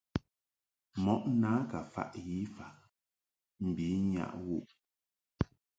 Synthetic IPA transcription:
mɔ˦ʔnaː˨˦ka˨fa̰˦ʔji˦fa˨ʔ | m̩˨bi˨˦ɲa̰˦˨ʔwu˦˨ʔ

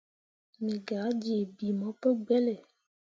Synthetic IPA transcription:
mĩ˨ɡa˨˦d͡ʒe˨bi˨mɔ̃˨˦pe˦ɡ͡bɛ˦le˨

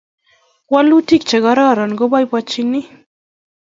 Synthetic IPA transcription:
kwa˦lu˦ti˦k̚t͡ʃa˨ɡa˦ɾa˦˨ɾa˨nɡɔ˦ba˦jba˦t͡ʃi˦ni˦

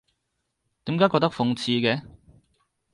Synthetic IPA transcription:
t̪iː˨˥mkaː˨˥kɔː˧k̚t̪ɐ˥kfʊ˧ŋt͡sʰiː˧kɛ˧

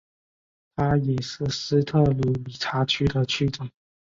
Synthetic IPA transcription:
t̪ʰa˥jɛ˨˩ʂɻ̩˥˩sɹ̩˥t̪ʰɤ˥˩lu˨˥˦li˨˩ʈ͡ʂʰa˧˥t͡ɕʰy˥d̪ə˨t͡ɕʰy˥˩ʈ͡ʂʊ˨˩˦ŋ

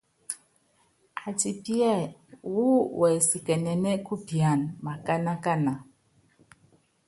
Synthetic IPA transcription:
a˨ti˨pjɛ˦˨wu˦wʔɛ˨si˨kɛ˨nɛ˨nɛ˦ku˦bja˨nma˨ka˦na˦ka˦na˨

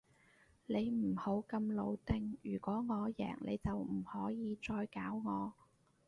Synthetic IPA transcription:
ne˨˧jm̩˨˩ho˨˥wkɐ˧mlo˨˧wt̪ɪ˧ŋjyː˨˩kʷɔː˨˥ŋɔː˨˧jɛ̰ː˨˩ŋlḛ˨˧jt͡sɐ˨wm̩˨˩hɔː˨˥jiː˨˧t͡sɔː˧jkaː˨˥wŋɔː˨˧

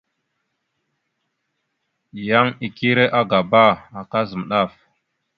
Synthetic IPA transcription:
ja˦ŋi˨ki˦ɾe˦ʔa˦ɡa˨ba˦˨a˨ka˦zə˨m˨ɗa˦˨f

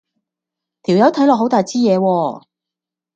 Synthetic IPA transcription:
t̪ʰi˨˩wjɐ˨˥wt̪ʰɐ˨˥jlɔː˨k̚ɦwt̪aː˨jt͡siː˥jɛː˨˧wɔː˧

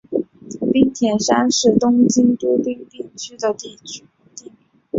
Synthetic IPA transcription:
pi˥ŋt̪ʰjɛ˨˩nʂa˥nʂɻ̩˥˩t̪ʊ˥ŋt͡ɕi˥ŋt̪u˥pi˥ŋt̪i˥˩t͡ɕʰy˥d̪ə˨t̪i˥˩t͡ɕʰy˥ | t̪i˥˩

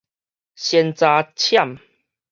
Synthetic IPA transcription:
ɕɛ˧nt͡sa˧t͡ɕʰja˥˨m

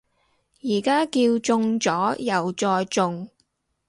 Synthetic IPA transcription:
jiː˨˩kaː˥kiː˧wt͡sʊ˧ŋt͡sɔː˨˥jɐ˨˩wt͡sɔː˧jt͡sʊ˧ŋ

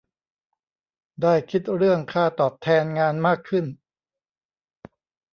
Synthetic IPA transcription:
daː˥˩jkʰi˦˥t̪̚ɾɯ˥˩əŋkʰaː˥˩t̪ɔː˨˩p̚t̪ʰɛː˧nŋaː˧nmaː˥˩kʰːɯ˥˩n

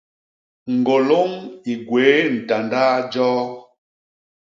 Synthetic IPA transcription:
ŋ̩˨ɡo˨lo˦ŋi˨ɡweː˨˦n̩˨ta˨ndaː˦d͡ʒɔː˦

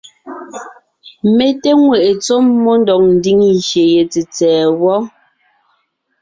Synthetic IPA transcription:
me˦te˦ŋwe˨ʔe˨t͡so˦mːɔ˦ndɔ˨k̚n̩˨˦di˦ŋʃje˨je˨t͡se˨t͡sɛː˨wɔ˦

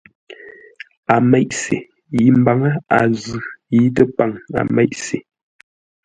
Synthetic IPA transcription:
a˨mɛ˦ʔsḛ˨ | ji˦m̩˦ba˨ŋa˦a˨zʉ˨ji˦tə˦pa˦˨ŋa̰˨mɛ˦jʔse˨

